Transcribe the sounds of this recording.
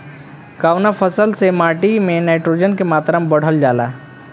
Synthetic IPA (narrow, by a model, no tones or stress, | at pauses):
kaːwnapʰəsəlsemaːʈimẽnaɪʈɾoːd͡ʒənkemaːt̪ɾambəɽ̤əld͡ʒaːla̰ː